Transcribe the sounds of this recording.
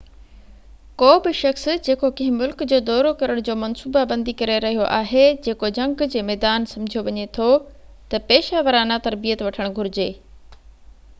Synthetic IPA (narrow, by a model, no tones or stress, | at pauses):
koːbɪʃɐxsd͡ʑeːkokɐ̃ɦɪ̃mʊlkd͡ʑoːd̪ɔːɾokɐɾəɽ̃d͡ʑoːmɐnsuːbabɐ̃nd̪ikɐɾeɾɐɦijoʔaːɦed͡ʑeːkod͡ʑɐ̃ŋɡd͡ʑeːmɛːd̪aːnsɐ̃md͡ʑʱijoʋɐɲet̪ʰot̪ɐpeːʃaːʋəɾanat̪ɐɾbijət̪ʋɐʈʰəɽ̃ɡʱʊɾɪd͡ʑeː